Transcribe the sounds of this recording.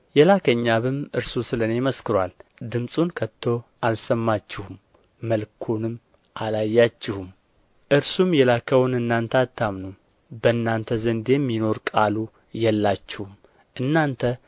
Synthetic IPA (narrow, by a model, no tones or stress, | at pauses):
jɛlakʰəɲːaβɨmɨɾsusɨlənejməskɨɾwald̪ɨmsʼunkʰət̪ʰːo̞ʔalsəmːat͡ʃːɪhumː | əlkʰunɨm | ʔalajːat͡ʃːɪhum | ʔɨɾsumjɛlakʰəwnɨnːant̪ʰəat̪ʰːamnu | bəɨnːant̪ʰəzənd̪emːino̞ɾkʼalu | jɛlːat͡ʃːɪhum | ʔɨnːant̪ʰə